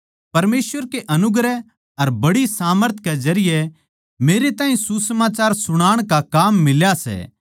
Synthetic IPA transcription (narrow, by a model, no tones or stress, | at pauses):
pɐɾmeːsʋəɾkeʔɐnʊɡɾɛ | ɐɾbɐɽisaːməɾt̪ʰkezɐɾɪjɛ | meːɾet̪aːɦĩsusəmaːt͡ʃaːɾsʊɽ̃aːɽ̃kakaːmːɪljasɛ̰ː